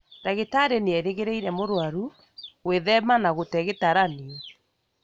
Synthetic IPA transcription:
daɣetaɾeneɛɾeɣeɾeiɾɛmoɾwaɾu | ɣweðɛmanaɣotɛɣetaɾaneɛ

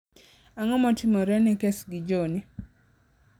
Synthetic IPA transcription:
aŋɔmɔtɪmɔɾɛnɛkesɡɪd͡ʒoni

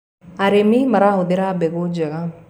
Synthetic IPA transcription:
aɾemimɐɾaɦod̪eɾaːbeɡoːd͡ʒɐɡa

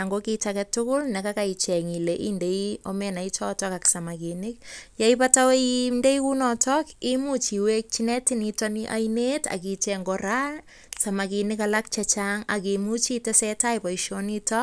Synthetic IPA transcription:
aŋɡokit͡ʃakɛtːʊkʊlnɛkakait͡ʃɛŋileʔḭndeiomenait͡ʃɔtɔkaksamakinik̚jaipatawemdejkunɔtʰɔkimut͡ʃiwek̚t͡ʃinɛtinitɔniʔa̰jneta̰kit͡ʃɛŋɡoɾa | samakinikalak̚t͡ʃat͡ʃaŋa̰k̬imut͡ʃitɛsɛtajpaiʃonitɔ

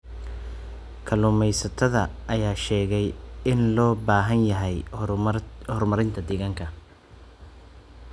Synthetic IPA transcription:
kʰɐlʊːmɛjsɐt̪ʰɐðɐʔɐjaːʃɛːɣɛjɪnlɔːbaːɦɐnjɐɦɛj | hɔrmɐɾɪnt̪ʰɐd̪ɪɣɐŋkʰɐ

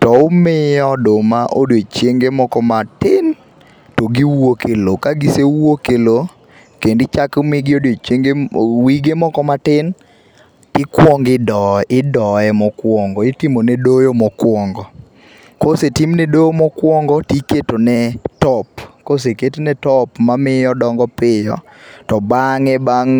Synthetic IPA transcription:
tɔʊmɪjɔdomaʔo̰dot͡ʃjeŋɡemɔkɔmatɪn | toɡiwokʰelokaɡɪsewokelo | kendɪt͡ʃakmɪɡɪodot͡ʃeŋɡewiɡemɔkɔmatɪn | tɪkwɔŋɡɪdɔɪdɔɛmɔkwɔŋɡɔɪtimonɛdojomɔkwɔŋɡɔ | kosetimnɛdojomɔkwɔŋɡɔtiketonɛtɔpkoseketonɛtɔpmamɪjɔdɔŋɡɔpɪjɔ̰ | tɔbaŋɛbaŋ

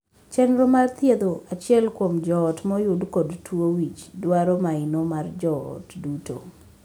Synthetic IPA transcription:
t͡ʃɛnɾomart̪jed̪oat͡ʃɪɛlkwomd͡ʒɔːtmɔjʊdkɔdtwowit͡ʃdwaɾɔmaɪnomard͡ʒɔ̰ːtduto̰

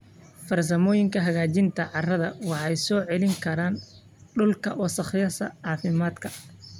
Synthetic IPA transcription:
fɐrs̬ɐmɔːjɪŋkʰɐɦɐɣaːt͡ʃɪnt̪ʰɐʕɑrɐðɐwɑħɛjsɔːʕɛlɪŋkʰɐɾaːn | ɖʊlkʰɐ̰wɔsɐχɪjɐsɐ̰ʕɑːfɪmaːd̪kʰɐ

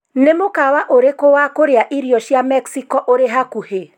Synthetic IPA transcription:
nemokawaʔoɾekowakoɾeaʔiɾiɔʃjamɛksikɔʔoɾeɦakuhe

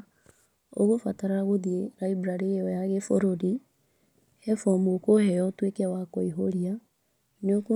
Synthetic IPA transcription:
o̰ɣofataɾaɣoðieɾaibɾaɾeɔjaɣefoɾoɾi | hɛfɔmuokohɛjɔtwekɛwakɔiɦoɾia | neoko

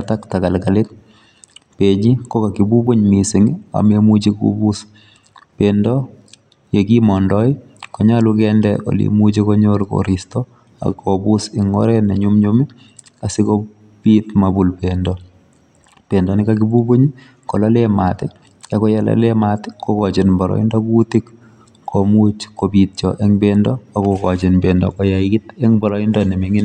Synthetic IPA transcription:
ataktakalkalet | peɲikokakibuboɲmisɪŋa̰memut͡ʃikṵbus | pendɔ | jekimɔndɔi | kɔɲalukɛndɛ̰ʔo̰lḭmut͡ʃekoɲolko̰ɾistɔ | a̰kːobusɪŋo̰ɾɛnaɲumɲumi | asiko | bitmabulbendɔ | pendɔnɪkakibuboɲi | kɔlalematɛ | akɔjala̰lematekokɔt͡ʃenbɔɾɔ̰ḭndɔkutik | kʰomut͡ʃkobit̚t͡ʃɔʔɛŋbendɔakokɔt͡ʃenbendɔ̰kɔjaikɪtɛŋbɔɾɔindɔnɛmiŋɪn

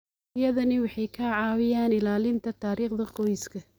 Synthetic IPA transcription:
ɪjɐðɐnɐwɑħɑjkʰɐʕɑːwɪjaːnɪlaːlɪnt̪ʰɐt̪ʰaːɾiːχd̪ɐqɔjɪskʰɐ

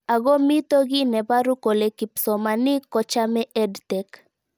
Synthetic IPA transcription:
aɡɔmit̪oɡinɛbaɾukolekipsɔmanikɔt͡ʃamɛʔɛdt̪ɛk

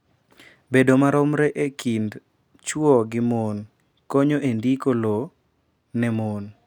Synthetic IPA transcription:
bedomaɾɔmɾɛʔekʰind | t͡ʃwɔɡɪmon | koɲoʔendikolo | nɛmon

